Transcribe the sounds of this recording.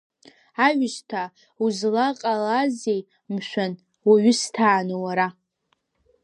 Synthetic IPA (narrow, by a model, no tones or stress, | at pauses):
aɥɪʃtʰa | uzlaqʼalazej | mʃʷᶣan | waɥʊstʰaːnɨwaɾa